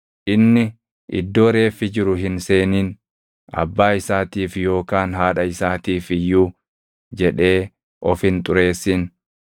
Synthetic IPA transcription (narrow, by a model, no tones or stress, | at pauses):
ʔɪnːɪ | ʔɪ̰d̪ːo̞ːɾe̞ːfːɪd͡ʒɪɾʊɦɪnse̞ːniːn | ɐ̰bːaːɪsaːt̪iːfjo̞ːkaːnɦaːᶑɐɪsaːt̪iːfɪju | d͡ʒɛᶑe̞ː | ʔɔfɪnt̪ʼʊɾe̞ːsːɪn